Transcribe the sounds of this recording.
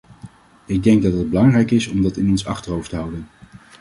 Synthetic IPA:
ɪɡ̚dɛŋɡ̚dɑtɦəd̚bəlɑŋrɛjkɪsɔmdɑtɪnɔnsɑ̰χtərɦowftəɦɑwdən

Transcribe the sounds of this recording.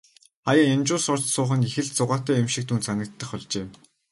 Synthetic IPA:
χajăemt͡ɕʊːsʊr̥t͡ɕsʊːχə̆nixɘ̆ɮt͡sʊʁaːt̪æːemʃĭk̚t̪ʰunt͡sʰanə̆k̚t̪ːə̆χɔɮt͡ɕeː

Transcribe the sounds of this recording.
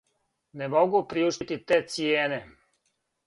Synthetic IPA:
nemoɡupɾiuʃit̪it̪eːt̪sieːne

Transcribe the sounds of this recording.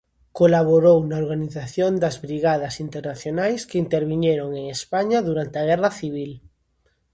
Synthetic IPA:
kolaβ̞oɾownaoɾɣaniθaθjond̪azβɾiɣað̞asint̪eɾnaθjonajskeint̪eɾβiɲeɾoŋeŋespaɲaðuɾant̪eaɣ̞ɛraθiβ̞il

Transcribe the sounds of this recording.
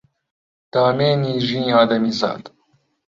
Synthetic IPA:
d̪̥aːmeːniːʒĩːaːd̪ɐmiza̰ːd̪

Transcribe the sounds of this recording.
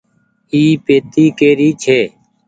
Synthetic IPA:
iːpeːt̪iːkeːɾiːt͡ʃʰeː

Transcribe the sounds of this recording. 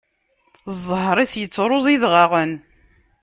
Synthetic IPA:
zˤːhɾˤisjət͡sːɾˤʊzˤiðʁɑʁən

